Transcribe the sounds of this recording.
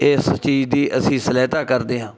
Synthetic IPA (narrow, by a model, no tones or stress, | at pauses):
ɪst͡ʃiːd͡ʒd̪iːʔəsĩːsəlaːt̪aːkəɾd̪eːɦãː